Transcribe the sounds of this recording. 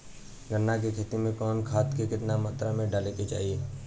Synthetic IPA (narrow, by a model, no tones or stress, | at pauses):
ɡʱənːak̬ekʰeːt̪imẽkɔːnkʰaːt̪kekɪt̪namaːt̪ɾamẽɖaːleket͡ʃa̰ːɦieː